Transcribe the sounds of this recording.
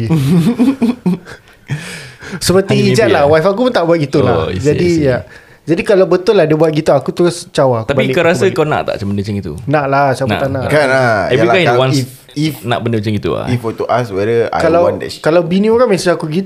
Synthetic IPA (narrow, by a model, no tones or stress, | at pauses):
səpərt̪iːd͡ʒaʔlawajfak̬upunt̪aʔbuat̪̚ɡit̪ula̰d͡ʒadija | d͡ʒadikalawbət̪ʊlahdəbuat̪̚ɡit̪uakut̪uɾʊst͡ʃawak̪abaikəɾasakawna̰ʔt̪a̰ʔt͡ʃambəndət͡ʃəŋit̪ṵnaʔlat͡ʃawna̰t̪anãʔkaaɛvikawanf | ifna̰ʔbəndət͡ʃəŋɡit̪ṵa̰ifɔt̪uʔaswɛdəa̰kalawnd̰kalawbinĩoɾaŋmãsuakuɡi